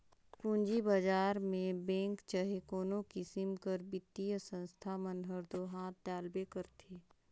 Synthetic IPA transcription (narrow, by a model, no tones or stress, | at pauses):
pʊ̃ɲd͡ʒibad͡ʒaːɾmẽbɛ̃ːŋkt͡ʃəɦekoːnõkisɪmkəɾbɪt̪ːijəsə̃nst̪ʰamənɦəɾd̪oːɦaːt̪̚d̪aːlbekəɾt̪ʰeː